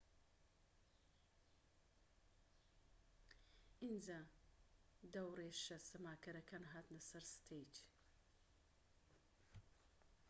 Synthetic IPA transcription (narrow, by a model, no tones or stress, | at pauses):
ind͡za | d̪ɐwɾeʃɐsɐmaːkɐɾɐkʰanɦaːt̪nɐsɐɾsɨ̥t̪ʰejt͡ʃ